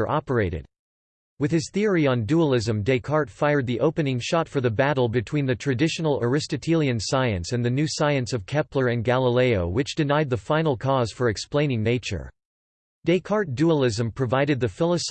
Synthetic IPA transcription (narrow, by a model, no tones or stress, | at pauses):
ə˞ʔɑpə˞eɪɾɨ̰d̥̚ | wɨð̥ɨz̥θɪɹiə̃nduəlˠɪzɨ̃mdeɪkʰɑɹtfaɪə˞d̪̚ðiʔoʊpɨnɪ̃ŋʃɑtfə˞ðɨbæɾl̩ˠbɨtʰw̥ĩnðɨtʰɹ̥ɨdɪʃn̩l̩ˠə˞ɨstɨtʰilˠiɨ̃nsaɪɨ̃nsɨ̃nðɨnʉsaɪɨ̃nsʌv̥kʰɛplə˞ɨ̃nɡælˠəleɪoʊwɨt͡ʃd̥ɨnaɪd̪̚ðəfãɪ̃nl̩ˠkʰɔz̥fə˞ɨksplẽɪ̃ñɪ̃ŋneɪt͡ʃə̰˞ | d̥eɪkʰɑɹt̚d̥uəlˠɪzɨ̃mpʰɹ̥ɨvaɪɾɨd̪̚ðɨfɪlˠəs